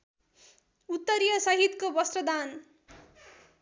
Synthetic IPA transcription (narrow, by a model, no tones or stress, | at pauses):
ut̪ːʌɾjʌsʌɦit̪kobʌsrʌd̪an